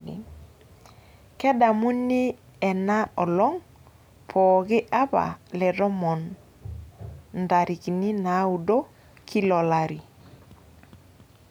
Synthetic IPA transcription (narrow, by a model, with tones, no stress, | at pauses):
ḭ˨ | kɛ˦da˨mu˦ni˦ | ɛ˨na˦ɔ˨lɔ˦ŋ | pʰɔː˨kɪ˦ʔa˦ba̰˨lɛ˨dɔ˦mɔ˨n | nda˨ɾi˨ki˨ni˦na˨˦u˨do˦ | kʰi˦lɔ˨la˨ɾi˨